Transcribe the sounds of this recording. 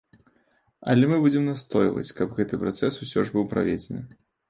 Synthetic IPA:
ɐlʲɛmɨbud͡zʲɛmnast̪ɔjvɐ̰t͡sʲkɐbɣɛt̪ɨpɾat̪sɛsusʲɔʐbɨwpɾa̰vʲed͡zʲenɨ

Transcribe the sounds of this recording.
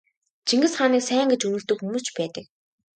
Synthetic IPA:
t͡ɕʰiŋɡɘ̆sχaːniːksæːŋɡet͡ɕɵnɵ̆ɮt̪ɵ̆kxumuːst͡ɕpæːt̪ə̆k̚

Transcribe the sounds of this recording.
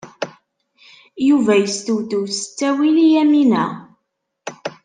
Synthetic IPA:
juvæjəst̪uwd̪uwsə̥t͡sːæwilijæminæ

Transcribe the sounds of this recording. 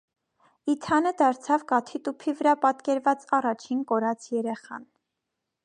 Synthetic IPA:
it̪ʰɑnəd̪ɑɾt͡sʰɑvkɑt̪ʰit̪upʰivəɾɑpɑt̪kɛɾvɑt͡sɑrɑt͡ʃʰinkɔɾɑt͡sʰjɛɾɛχɑ̰n

